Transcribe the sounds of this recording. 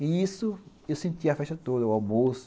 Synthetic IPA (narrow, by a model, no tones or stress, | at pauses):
iisʊ | ewsẽnt̪iɐfɛʃt̪ɐt̪od̪ɐwabosʊ̥